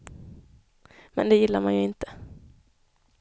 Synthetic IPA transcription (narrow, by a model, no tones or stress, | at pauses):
mɛ̰nd̪ɛjɪlːaɾmanjɵɪnt̪ə̥